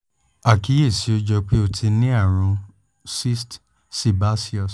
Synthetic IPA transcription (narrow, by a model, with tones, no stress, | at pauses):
a˨ki˨˦e˦˨si˨˦o˧d͡ʒɔ˧k͡pe˦o˧tʰi˧nĩ˦a˦˨ɾ̃ũ˨˧˦ | si˦st | si˧˨ba˦si˦ɔ˦˨s